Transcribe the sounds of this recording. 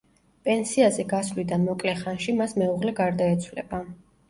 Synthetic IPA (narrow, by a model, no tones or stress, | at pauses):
pʼɛnsiazɛɡasvlid̪anmɔkʼlɛχanʃimasmɛuʁlɛɡaɾd̪aɛt̪sʰwlɛ̰ba